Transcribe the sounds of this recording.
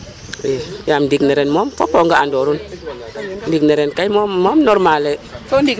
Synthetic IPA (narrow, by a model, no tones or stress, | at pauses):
ejamdikneɾenmomfo̰poŋɡaandoɾun | ndikneɾenkajmoːɔmnɔɾmale